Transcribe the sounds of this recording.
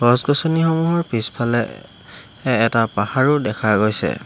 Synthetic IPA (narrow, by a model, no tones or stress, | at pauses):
ɡɔsɡɔsɔnixɔmuɦɔɹpispʰalɛ | ɛːtapaxaɹudɛkʰaɡojsɛ̰